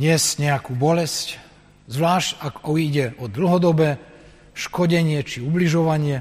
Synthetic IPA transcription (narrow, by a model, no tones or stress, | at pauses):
ɲɪɛscɲɛakuːbɔlɛsc | zʋlaːʃcakɔiɟɛʔɔd̪l̩ɦɔd̪ɔbɛː | ʃkɔɟɛɲɪɛt͡ʃiubliʒɔʋaɲɪɛ